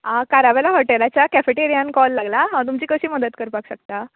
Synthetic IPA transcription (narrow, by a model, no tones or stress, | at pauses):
ãkaɾaʋelaɦɔʈelat͡ɕjakɛfeʈeɾijankɔlːaɡlaɦãt̪̬umt͡ɕiːkəɕiːməd̪ət̪kəɾpakɕək̚t̪a